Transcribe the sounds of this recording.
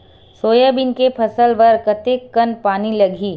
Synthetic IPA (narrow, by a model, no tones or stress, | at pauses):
soːjabɪnkepʰɐsəlʋɐɾkɐt̪ekːɐnpaːnilɐɡʱiː